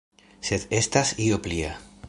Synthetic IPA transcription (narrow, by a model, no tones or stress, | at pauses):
set̪est̪asioplia̰